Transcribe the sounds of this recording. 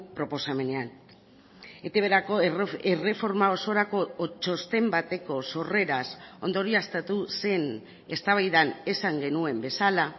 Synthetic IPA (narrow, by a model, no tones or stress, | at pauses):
pɾo̞po̞same̞ne̞an | e̞t̪eβeɾakoere̞fo̞ɾmao̞so̞ɾako̞t͡ʃo̞st̪e̞mbat̪e̞ko̞so̞re̞ɾaso̞nd̪oɾiast̪at̪use̞n | e̞st̪aβajðane̞saŋɡe̞nue̞mbe̞sala